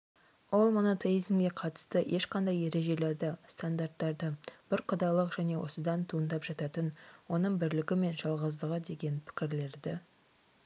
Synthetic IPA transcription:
o̞lˠmo̞no̞t̪ʰe̞ijzmɡʲe̞qʰɑt̪ə̥st̪əʔe̞ʃqɑnd̪ɑje̞ɾe̞ʒe̞le̞ɾd̪ɪst̪and̪art̪ːɑɾd̪əb̥ɪɾqʰʊd̪ɑlˠəqʒ̥æne̞wo̞səd̪ɑnt̪ʰuənd̪ɑpʒ̥ɑt̪ɑt̪ənwo̞nəɴbɪɾlɪɡʲɪme̞nʒɑlˠʁəzd̪əʁəd̪e̞ɡʲe̞npʰɪ̥kʲɪɾle̞ɾd̪ɪ

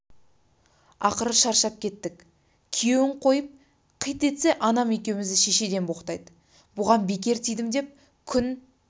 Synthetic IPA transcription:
ɑ̰qəɾəʃɑɾʃɑp̚kʲʰe̞t̪ːɪk | kʲʰije̞wɪɴqʰo̞jəp̚ | qʰəjt̪e̞t̪se̞ʔɑnɑme̞kʲe̞wmɪzd̪ɪʃe̞ʃe̞d̪e̞nbo̞qt̪ɑjd̪ə | bʊʁɑnbe̞k̬ʲe̞ɾt̪ʰijd̪ɪmd̪e̞p̚ | kʲʰʏn

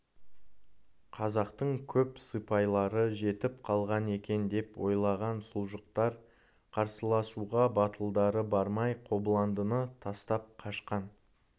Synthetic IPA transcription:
qʰɑzɑqt̪əɴkʲʰɵpsɨpɑjlˠɑɾəʒe̞t̪ɪpqʰɑlˠʁɑne̞kʲe̞nd̪e̞pwo̞jlˠɑʁɑnsʊlˠʒəq̚t̪ɑɾ | qʰɑɾsəlˠɑsuʁɑbɑt̪ʰəlˠd̪ɑɾəbɑɾmɑjqʰo̞blˠɑnd̪ənət̪ʰɑst̪ɑp̚qʰɑʃqɑn

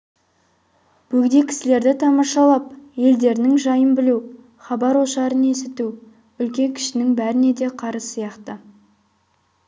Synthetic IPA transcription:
b̥ɵɡd̪e̞kʲʰɪ̥sɪle̞ɾd̪ɪt̪ʰɑmɑʃɑlˠɑp̚je̞ld̪e̞ɾɪnɪŋʒɑjənbɪluw | χɑbɑɾwoʃɑɾəne̞sɪt̪u | ʏlkʲe̞ŋkʲʰɪ̥ʃɪnɪŋbæɾɪne̞d̪e̞qʰɑɾəsijɑqt̪ə

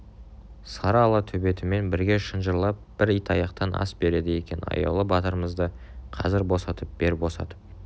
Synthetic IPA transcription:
sɑɾɑːlˠɑt̪ʰɵbe̞t̪ɪme̞nbɪɾɡʲe̞ʃənʒəɾlˠɑp̚b̥ɪɾijt̪ɑjɑqt̪ɑnʔɑ̰sbe̞ɾe̞d̪ɪje̞kʲe̞nɑ̰jɑ̰wlˠəbɑt̪əɾəməzd̪ə | qʰɑ̰zɪɾbo̞sɑt̪əp̚be̞ɾbo̞sɑ̰t̪əp̚

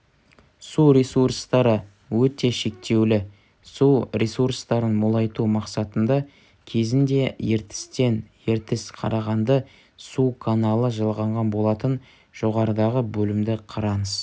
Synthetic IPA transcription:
suɾʲesurst̪ɑɾə | wɵt̪e̞ʃe̞k̚t̪e̞wlɪ | surʲesuɾst̪ɑɾənmolˠɑjt̪umɑqsɑt̪ənd̪ɑ | kʲʰe̞zɪnd̪e̞jeɾt̪ɪ̥st̪e̞nje̞ɾt̪ɪsqʰɑ̰ɾɑʁɑnd̪ə | sukʰanɑlˠəʒəlˠʁɑɴʁɑnbo̞lˠɑt̪ən | ʒ̥oʁɑɾəd̪ɑʁəbɵlɪmd̪ɪqʰɑɾɑnəz̥

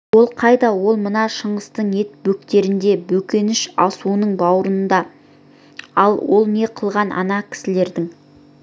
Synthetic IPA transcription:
wo̞lˠqʰɑjd̪ɑwo̞lˠmənɑʃəɴəst̪əɴe̞t̪̚bɵk̚t̪e̞ɾɪnd̪e̞bɵkʲe̞nɪʃɑsuənəɴbɑwɾənənd̪ɑ | ɑlˠwo̞lˠne̞qʰəlˠʁɑnʔɑ̰nɑkʲʰɪ̥sɪle̞ɾd̪ɪŋ

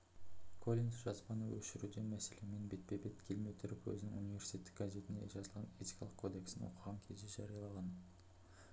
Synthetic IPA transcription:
kʰo̞lʲinsʒɑzbɑnəwɵ̰ʃɪɾud̪e̞mæse̞le̞me̞nbe̞t̪̚pe̞be̞t̪kʲʰelmet̪ʰʏɾɪpwɵ̰zɪnɪŋṵnijvʲe̞ɾsi̥t̪ʲe̞t̪ːɪ̥k̚ɡaze̞t̪ɪnd̪e̞̰ʒɑzəlˠʁɑne̞t̪ʲi̥jkɑlˠəqkʰo̞d̪e̞ksɪnɪ̰ŋwo̰qʰəʁɑŋkʲʰezeʒɑ̰ɾijɑlˠɑʁɑn

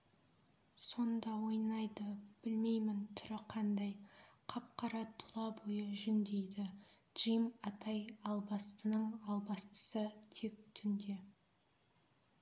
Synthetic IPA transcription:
so̞nd̪ɑwo̞jnɑjd̪əb̥ɪlme̞jmɪnt̪ʰʏɾɪqʰɑnd̪ɑjqʰɑp̚qɑɾɑt̪ʰʊlˠɑbojəʒʏnd̪ejd̪ɪ | d̥ʒ̥ijmɑt̪ɑjɑlˠbɑst̪ənəɴɑlˠbɑst̪ə̥sət̪ʰe̞k̚t̪ʰʏnd̪e̞

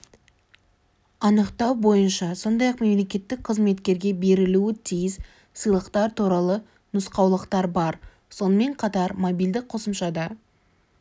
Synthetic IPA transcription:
ɑnəqt̪ɑwbo̞jənʃɑso̞nd̪ɑjɑqme̞mle̞kʲe̞t̪ːɪk̚qʰəzme̞t̪kʲe̞ɾɡʲe̞be̞ɾɪluɪt̪ʰijɪz | sɨjlˠəqt̪ɑɾt̪ʰuɾɑlˠə | nʊsqɑwlˠəqt̪ɑɾbɑɾ | so̞nəme̞ɴqʰɑt̪ɑɾmobijld̪ɪk̚qʰo̞səmʃɑd̪ɑ

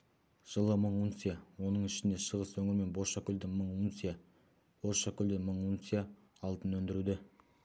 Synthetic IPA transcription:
ʒ̥əlˠəməɴunsʲijawo̞nəɴɪʃɪnd̪e̞ʃəʁəswɵŋɪɾme̞nbo̞ʃakʲʏld̪ɪməɴunsija | b̥o̞ɾʃakʲʏld̪eməɴunsija | ɑlˠt̪ənwɵnd̪ɪɾud̪ɪ

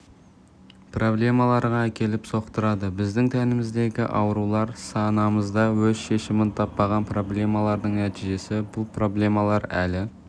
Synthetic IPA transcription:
pro̞blʲˠe̞mɑlˠɑɾʁɑækʲʰe̞lɪpso̞qt̪əɾɑd̪əbɪzd̪ɪŋt̪ʰænɪmɪzd̪e̞ɡʲɪ̰ʔɑ̰wəɾulˠɑɾsɑnɑməzd̪ɑwɵzʃe̞ʃɪmɪnt̪ʰɑpːɑʁɑnpʰro̞ble̞mɑlˠɑɾd̪əɴŋnæt̪iʒe̞sɪbʊlˠpro̞ble̞mɑlˠɑɾælɪ

